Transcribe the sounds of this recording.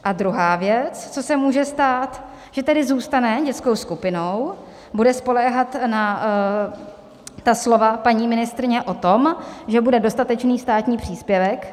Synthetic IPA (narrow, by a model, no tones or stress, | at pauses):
ʔad̪ɾuɦaːvjɛt͡st͡so̞sɛmuːʒɛst̪aːt̪ | ʒ̥ɛt̪ɛdɪzuːst̪anɛɟɛt͡sko̞wskupɪno̞w | budɛspo̞lɛːɦat̪na | t̪aslo̞vapaɲiːmɪnɪst̪ɾɪɲɛʔo̞t̪o̞mʒɛbudɛdo̞st̪at̪ɛt͡ʃniːst̪aːt̪ɲiːpr̝̥iːspjɛvɛk